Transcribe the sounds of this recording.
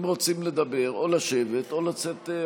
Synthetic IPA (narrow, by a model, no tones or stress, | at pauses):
mʁo̞t͡simle̞d̪abe̞ʁo̞laʃe̞ve̞t̪o̞lat͡set̪